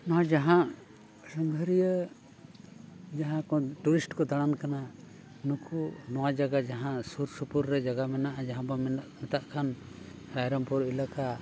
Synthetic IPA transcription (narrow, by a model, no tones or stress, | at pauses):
nɔɦad͡ʒaɦãʔ | səŋɡʱəɾijə | d͡ʒaɦãkɔʈuɾisʈkɔd̪aɽ̃ankana | nukʰunɔwad͡ʒaɡad͡ʒaɦãʔsuɾsupuɾːɛd͡ʒaɡamɛnaʔad͡ʒaɦãbɔmɛt̪aʔkʰan | ɾajɾɔmpɔɾilaka